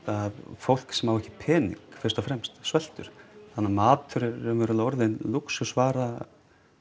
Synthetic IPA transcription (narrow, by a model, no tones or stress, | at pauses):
aðfowl̥ksɛmhawɛhcːɪpʰɛːnḭŋkfɪɾ̥st̪ɔfɾɛmst̪svɛl̥t̪ʏɾ̥θanːamaːt̪ʰʏɾɪɾɛmvɛɾʏlɔɾðɪnluksʏsvaːɾa